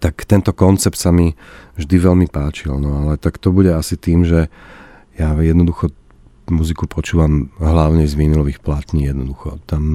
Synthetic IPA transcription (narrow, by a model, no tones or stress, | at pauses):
t̪akt̪ɛnt̪ɔkɔnt͡sɛpt̪samivʒd̪iʋɛlmipaːt͡ʃilnɔalɛt̪akt̪ɔbuɟɛasit̪iːmʒɛ | jajɛd̪nɔd̪uxɔ | muzikupʰɔt͡ʃuːʋamɦlaʊɲɛzʋiːnilɔʋiːxplat̪ɲiːjɛd̪nɔd̪uxɔt̪am